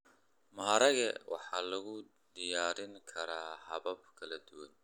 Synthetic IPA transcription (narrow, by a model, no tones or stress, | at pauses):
mɐːɾɐɣɐwʔɑ̰ħɑːlɐɣʊ | d̪ɪjaːɾɪŋkʰɐɾaːhɐβɐb̚kʰɐlɐd̪ʊwɐn